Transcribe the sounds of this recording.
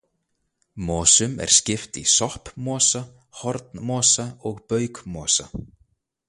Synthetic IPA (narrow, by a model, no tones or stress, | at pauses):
mɔːsʏmɛ̰ɾ̥scɪft̪isɔhpmɔːsa | hɔɾt̪nmɔːsaɔɣpœːɥkmɔːsa̰